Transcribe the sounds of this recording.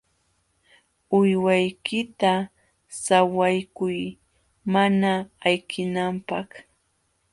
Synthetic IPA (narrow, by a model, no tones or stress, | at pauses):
ʊjwajkɪt̪a | sawajkʊj | manaːjkʰɪnampɑχ